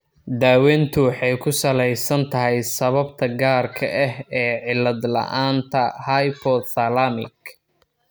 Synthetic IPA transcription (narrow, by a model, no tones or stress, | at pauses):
d̪aːwɛːnt̪ʰʊħɑjkʰʊsɐlɛjsɐnt̪ʰɐɦɛjsɐβɐbt̪ʰɐɡaːrkʰɐ̰ʔɛɦɛːʕɪlːɐd̪lɐ̰ʔaːnt̪ʰɐhajpʰɔd̪θɐlamɪ̰k